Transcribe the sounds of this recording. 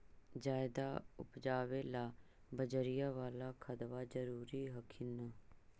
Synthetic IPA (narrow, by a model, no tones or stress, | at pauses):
d͡ʒaːɪd̪aːʊ̰pd͡ʒaːʋeːlaː | bəd͡ʒəɾijaːʋaːlaːkʰəd̪ʋaːd͡ʒəɾuːɾiːɦəkʰɪnə